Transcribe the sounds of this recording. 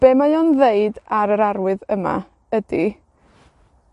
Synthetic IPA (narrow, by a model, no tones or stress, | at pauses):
b̥eːmajonðeɨdaɾəɾaɾwɨðəma̰ | ədi